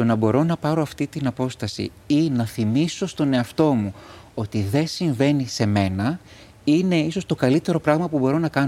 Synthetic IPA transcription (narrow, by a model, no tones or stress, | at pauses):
t̪o̞nɐbo̞ɾo̞nɐpɐɾo̞ɐft̪it̪inɐpo̞st̪ɐsḭ | inɐθimiso̞st̪o̞ne̞ɐft̪o̞muo̞t̪iðe̞siɱve̞nise̞me̞nɐ | ine̞iso̞st̪o̞kɐlit̪e̞ɾo̞pɾɐɣmɐpubo̞ɾo̞nɐkɐno